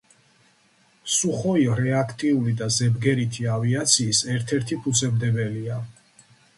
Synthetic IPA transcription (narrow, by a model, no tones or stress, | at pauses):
suχɔiɾɛakʰt̪ʼiulid̪azɛbɡɛɾit̪ʰiaviat̪sʰiːsɛɾt̪ʰɛɾt̪ʰipʰut̪sʰɛbd̪ɛbɛlia